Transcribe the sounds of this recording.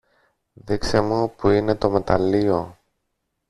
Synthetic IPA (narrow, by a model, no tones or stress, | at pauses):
ðikse̞mupuine̞t̪o̞me̞t̪ɐlio̞